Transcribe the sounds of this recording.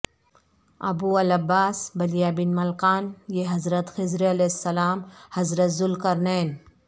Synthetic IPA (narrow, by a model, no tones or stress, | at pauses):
ɐ̰buːɐlɐbaːsbɐlijaːbinmɐlkaːnjeɦɐzɾɐt̪xɪzɾiɐlesːɐlaːmhɐzɾɐt̪zulkɐɾneːn